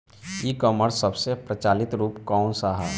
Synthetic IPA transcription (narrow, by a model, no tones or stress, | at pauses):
ikɔːməɾsəbsepɾət͡ʃaːlɪt̪ɾuːpkɔːnsaːɦa